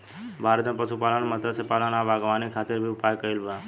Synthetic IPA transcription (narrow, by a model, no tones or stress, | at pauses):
bʱaːɾət̪mẽpəsupaːlənmət̪əsepaːlənãːʋaːɡʋaːnikʰaːt̪ɪɾbʱiʊpaːjkəilba